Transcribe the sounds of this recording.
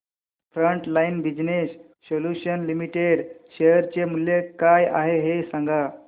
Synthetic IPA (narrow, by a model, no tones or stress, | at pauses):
fɾəɳʈlainbid͡ʑnesː | oljuɕənlimiʈeɽɕejəɾt͡ɕemuljekaja̰ɦeɦesãŋɡa